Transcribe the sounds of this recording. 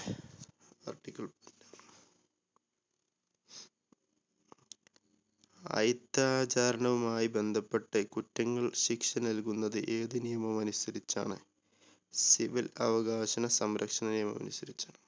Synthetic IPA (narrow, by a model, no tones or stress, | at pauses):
ɐ̰rʈːikʲːɐl | ɐ̰jit̪ːaːt͡ɕaːɾɐɳɐʋumaːjibe̞nd̪ʱɐpːeʈːɨkutːɐŋːɐɭɕikʂɐnɐlkunːɐðɨʔe̞ːðɨnijɐmɐmɐnusɐɾit͡ɕːa̰ːɳɨ | siʋilɐʋɐɣaːɕɐnɐsɐmɾɐkʂɐnɐnijɐmɐ̰mɐ̰nusɐɾit͡ɕːaːɳɨ